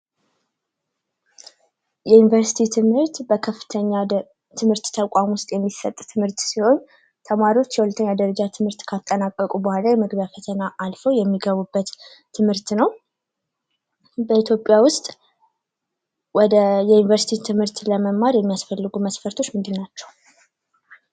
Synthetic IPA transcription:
jɛjunivəɾsi̥t̪ʰit̪ʰɨmhɨɾt̪bəkʰəfːɨ̥t̪ʰəɲːa | t̪ʰɨmɨɾt̪t̪ʰəkʼamwʊst̪ʼjɛmːisət̪ʼt̪ʰɨmhɨɾt̪siho̞ɲ | t̪ʰəmaɾiwo̞t͡ʃːjɛwulət̪ʰəɲːad̪əɾəd͡ʒat̪ʰɨmhɨɾt̪kʰat̪ʼːənakʼːəkʼubəhʷalajɛmɨɡbjafət̪ʰənaʔalfəwjɛmːiɡəβubːət̪ːʰ | ɨmhɨɾt̪nəw | bəit̪jo̞pʼjawʊst̪ʼ | wɔd̪əjɛjunivəɾsi̥t̪ʰit̪ʰɨmhɨɾt̪ləməmːaɾjɛmːijasfəlːɨɡuməsfəɾt̪ʰo̞t͡ʃːmɨnd̪ɨnːat͡ʃːɛw

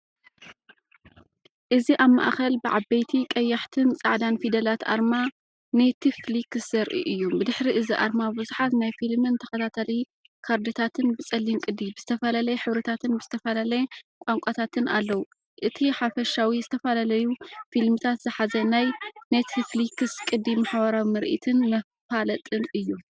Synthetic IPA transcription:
ʔɨziʔaβmːa̰ʔxɐlbɨʕabɐjt̪ʰikʼɐjːaħt̪ʰɨnt͡sʼaʕd̪anfid̪ɐlat̪a̰ɾma | net̪ʰiflikːɨsz̥ɐɾʔḭʔɨjːubɨd̪ɨħɾiʔɨziʔa̰ɾmabɨzuħat̪najfilmɨnt̪ʰɐkɐt̪ʰat̪ʰɐli | kʰaɾd̪ɨt̪ʰat̪ʰɨnbɨt͡sʼɐlːinkʼɨd̪ibɨzɨt̪ʰɐfɐlalɐjɛħɨβɾɐt̪ʰat̪ʰɨnbɨz̥ɨt̪ʰɐfɐlalɐjɛkʷʼaŋkʷʼat̪ʰat̪ʰɨna̰lːɐwu | ʔɨt̪ʰiħafɐʃawizɨt̪ʰɐfalalɐjufilmɨt̪ʰat̪zɨħazɐnajnet̪flikɨskʼɨd̪imaħbɐɾawimɨɾʔḭt̪ʰɨnmɐffalɐt̪ʼɨnʔɨjːu

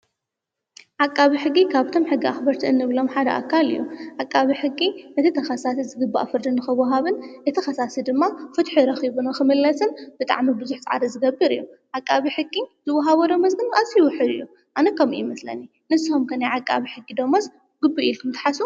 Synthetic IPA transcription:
ʕakʼːaβiħɨɡːikʰaβt̪ʰo̞mħɨɡːiaxbɐɾt̪ʰiɨnːɨβlo̞mħad̪ɐ̰ʔa̰kʰːalɨ̰jːuʕakʼːaβiħɨɡːinɐt̪ʰit̪ʰɐxɐsasizɨɡɨbːa̰ʔfɨɾd̪ɨnːɨxɨwɐɦaβɨnjɨt̪ʰɐxɐsasɨd̪ɨmːafɨt̪ħuɾɐxiβunɐxɨmɨlːɐsɨnb̥ɨt̪ʼa̰ʕmibɨzuħt͡sʼaʕa̰ɾɐzɨɡɐbːɨɾɨ̰jːuʕakʼːaβiħɨɡːizɨwːɐɦaβɐd̪omɐzɡɨnʔazijwʊħɨd̪ɨ̰jːu | ʔanɐkʰɐmḭʔmɐslɐ̰ni | nɨsːihomkʰɐnajʕakʼːa̰βiħɨɡːid̪omɐs | ɡɨbːuʔilkʰɨmt̪ʰɐ̥ħasu

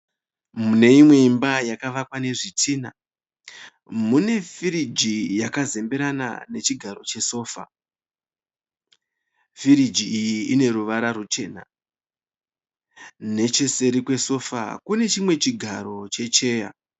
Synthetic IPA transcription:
mune̞imwe̞imbajakaʋakwane̞ʐitʰiːna | mune̞fiɾid͡ʒijakaze̞mbeɾana̰ne̞t͡ʃiɡʱaɾo̞t͡ʃe̞so̞ːfa̰ | fiɾid͡ʒiijiine̞ɾuʋaɾarut͡ʃe̞̰ːna̰ | ne̞t͡ʃe̞se̞ɾikwe̞so̞fa̰kune̞t͡ʃimwe̞t͡ʃiɡʱaɾo̞t͡ʃe̞t͡ʃe̞ːja̰

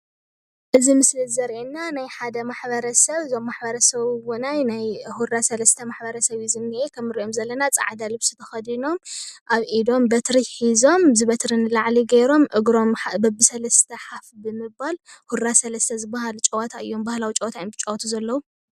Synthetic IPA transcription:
ʔɨzimɨslɨzɐɾʔenːanajħad̪ɐmaħbɐɾɐsɐβɨzomːaħbɐɾɐsɐβwunajnajhuɾasɐlɐst̪ʰɐmaħbɐɾɐsɐβjizɨnːiʔekʰɐmːɨɾiʔomzɐlːɐnat͡sʼa̰ʕd̪alɨβsu̥t̪ʰɐxɐd̪ino̞mʔaβʔid̪o̞mbɐt̪ɾiħizo̞mzɨβɐt̪ɾɨnɨlaʕliɡɐɾo̞mʔɨɡɾo̞mabɐbɨsɐlɐst̪ʰɐħafbɨmɨbːalhuɾːasɐlɐst̪ʰɐzɨbːahalut͡ʃʼɐwɐt̪ʰaɨ̰jːo̞mbahlawit͡ʃʼɐwɐt̪ʰanbɨt͡ʃʼowt̪ʰuzɐlːɐwu

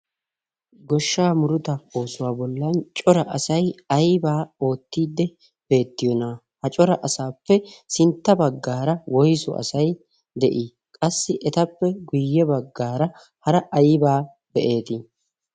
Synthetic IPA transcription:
ɡɔʃːaːmʊɾʊt̪ɐoːsʊwaːbɔlːɐnt͡ʃʼɔɾɐʔɐsɐjɐjbaːo̞ːt̪ːiːd̪ːɛ | b̥e̞ːt̪ːɪjɔnaː | hɐt͡ʃʼɔɾɐʔɐsaːpːɛsɪnt̪ːɐbɐɡːaːɾɐwɔjsɔ̰ʔɐ̰sɐj | d̪ɛʔi | kʼɐsːɪʔɛt̪ɐpːɛɡʊjːɛbɐɡːaːɾɐ | hɐɾɐʔɐjbaː | b̥ɛʔe̞ːt̪ɪ

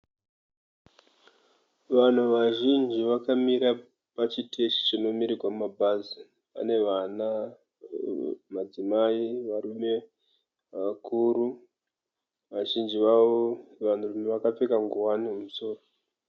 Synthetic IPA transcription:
ʋan̤uʋaʒind͡ʒiʋakamiɾa | pat͡ʃitʰeʃi̥t͡ʃino̞miɾiɡʱwamumabʱazi | pa̰ne̞ʋana | mad͡zimaiʋaɾume̞ | ʋakʰuɾu | ʋaʒind͡ʒiʋaʋoʋan̤urumeʋakap͡fekaŋɡuɦwaniumuso̞ːro

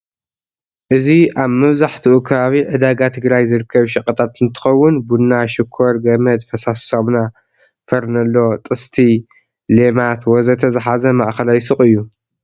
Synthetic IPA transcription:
ʔɨziaβmɐβzaħt̪ʰɨʔukʰɐβaβiʕɨd̪aɡat̪ʰɨɡɾajzɨɾɨkʰːɐβʃɐkʼɐt̪ʰat̪ɨnt̪ʰɨ̥xɐwːʊnbunːaʃɪkʰːoɾɡɐmɐd̪fɐsasomna | fɐɾnɐlːo̞t̪ʼɨst̪ʰi | lemat̪wɔzɐt̪ʰɐzɨħazɐmaʔxɐlajsɨχʼɨjːu

